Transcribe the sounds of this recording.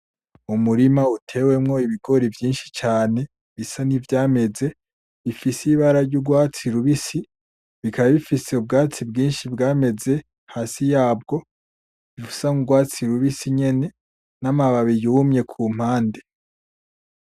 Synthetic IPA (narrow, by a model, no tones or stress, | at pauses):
umuɾimautʰe̞ːwe̞mŋo̞iβiɡo̞ɾivjiːnʃi̥t͡ʃaːne̞ | βisanivjaːme̞ze̞ | βifisiβaɾaɾɟuɡwaːt͡siɾuβisi | βikaβaβifise̞ub̚ɡaːt͡sibɡiːnʃibɡaːme̞ze̞ | haːsijaːb̚ɡo̞ | βifu̥saŋuɡwaːt͡siɾuβisiɲe̞ne̞ | namaβaβiɾiumɲe̞kʰuːm̥haːnde̞